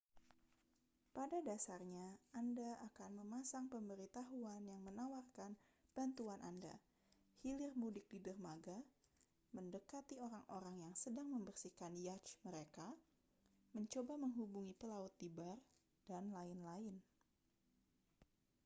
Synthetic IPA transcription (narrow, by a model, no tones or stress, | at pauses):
padadasarɲaandaakanməmasaŋpəmbəɾit̪aɦuanjaŋmənawarkan | b̥ant̪uanʔa̰nda̰ | hilɪrmudɪk̚didərmaɡa | məndəkat̪ioɾaŋʔoɾaŋjaŋsədaŋməmbərsikanjat͡ʃməɾeka | məɲt͡ʃobaməŋɦubuŋipəlaʊt̪ːibar | d̥anlaɪnlaɪn